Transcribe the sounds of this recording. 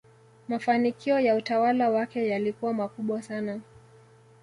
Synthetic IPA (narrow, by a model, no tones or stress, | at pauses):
mafanikiɔjautawalawakɛjalikuwamakuɓwasana